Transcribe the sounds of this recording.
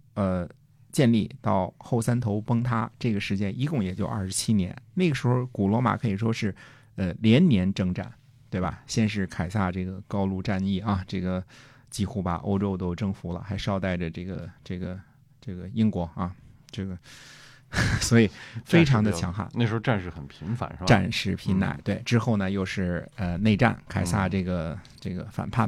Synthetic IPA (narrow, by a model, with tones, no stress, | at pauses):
ə˧ | t͡ɕjɛ˥˧nli˥˩t̪ɑ˥˧ʊxo˥˩ʊsa˥nt̪ʰo˧˥ʊpɤ˥ŋt̪ʰa˥ʈ͡ʂɤ˥˩ɡə˩ʂɻ̩˧˥t͡ɕjɛ˥ni˧˥kʊ˥˩ŋjɛ˨˩t͡ɕjo˥˧ʊʔɐ̰˥˩ʂɻ̩˧˥t͡ɕʰi˥njɛ̰˧˥nna˥˩ɡə˩ʂɻ̩˧˥xo˧ʊku˨˩lwɔ˧˥ma̰˨˩kʰɤ˧˥i˨˩ʂwɔ˥ʂɻ̩˥˩ | ə˧ljɛ˧˥nnjɛ˧˥nʈ͡ʂɤ˥ŋʈ͡ʂa̰˥˩n | t̪we˥˩ɪbɐ̰˩ɕjɛ˥nʂɻ̩˥˩kʰa˨˩ɪsa˥˧ʈ͡ʂɤ˥˩ɡə˩kɑ˥ʊlu˥˧ʈ͡ʂa˥˧ni˥˩ɐ˧ʈ͡ʂɤ˥˩ɡə˩ | t͡ɕi˥˧xu˥˩baɐ̰˨˩ʔo̰˥ʊʈ͡ʂo˥ʊt̪o˥ʊʈ͡ʂɤ˥˧ŋfu˧˥lə̰˧xa˧˥ɪʂɑ˥˧ʊt̪a˥˩ɪʈ͡ʂə˩ʈ͡ʂɤ˥˩ɡə˩ʈ͡ʂɤ˥˩ɡə˩ | ʈ͡ʂɤ˥˩ɡə˩i˥ŋkwɔ˧˥ɐ˥˧ʈ͡ʂɤ˥˩ɡə˩ | swɔ˧˥i˨˩fe˥ɪʈ͡ʂʰɑ˧˥ŋd̪ə˧t͡ɕʰjɑ˧˥ŋxa̰˥˩nna˥˩ʂɻ̩˧˥xʈ͡ʂa˥˧nʂɻ̩˥˩xə˨˩npʰi˧˥ŋfa̰˧˦n˥ʈ͡ʂa̰˥˧nʂɻ̩˥˩pʰi˧˥nna̰˥˩ɪt̪we˥˩ɪʈ͡ʂɻ̩˥xo˥˩ʊnə˩jo˥˧ʊʂɻ̩˥˩ə˧ne˥˧ɪʈ͡ʂa̰˥˩nkʰa˨˩ɪsa˥˧ʈ͡ʂɤ˥˩ɡə˩ | ʈ͡ʂɤ˥˩ɡə̰˩fa̰˨˩npʰa˥˩n